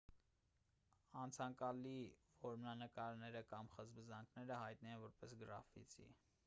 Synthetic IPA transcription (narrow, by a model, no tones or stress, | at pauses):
ɑnt͡sʰɑŋkɑlivɔɾmnɑnəkɑɾnɛɾəkɑmχəzbəzɑŋkʰnɛɾəhɑjt̪̚nɛɛnvɔɾpɛsɡəɾɑfḭt͡sḭ